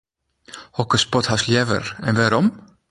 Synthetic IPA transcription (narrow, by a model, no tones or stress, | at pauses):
hɔkəspɔt̪hasljɛvə̰ɾɛnvɛɾɔm